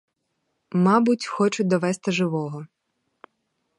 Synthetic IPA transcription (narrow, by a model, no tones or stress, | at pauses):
mɑbʊtʲxɔt͡ʃʊd̪ɔʋɛst̪ɪʒɪʋɔɦɔ